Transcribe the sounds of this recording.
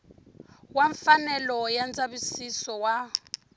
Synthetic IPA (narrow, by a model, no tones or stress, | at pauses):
waɱfanɛlɔjand͡zaβisisɔwa